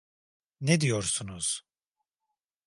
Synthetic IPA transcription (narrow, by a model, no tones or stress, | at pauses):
ned̪ijoɾsunuz̥